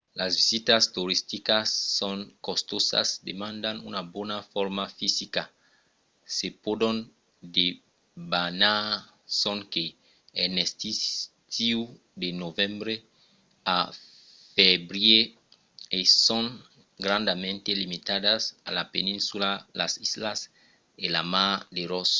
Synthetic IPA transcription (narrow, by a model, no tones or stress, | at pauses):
lazvisit̪ast̪uɾist̪ikasːoŋkost̪osa̰sd̪emãnd̪anṵnabwonafoɾmafisika | sepodon | d̪e | bana | soŋkeː | nest̪is | t̪iw | d̪enovẽmbɾe | a | febɾje | esoŋ | ɡɾãnd̪amẽnt̪elimit̪aðasa̰lapenĩnsulala̰sizlas | elamad̪eɾos